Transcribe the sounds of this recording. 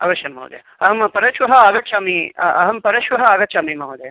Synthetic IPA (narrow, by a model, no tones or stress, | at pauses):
ɐ̰ʋɐʃjɐnmɐ̰w̰d̪jɐ | ɐɦɐmpɐɾɐʃʋɐɦɐaːɡɐt͡ʃaːmiɐ̰ɦɐmpɐɾɐʃʋɐɦɐaːɡɐt͡ʃaːmimɐʋɐd̪e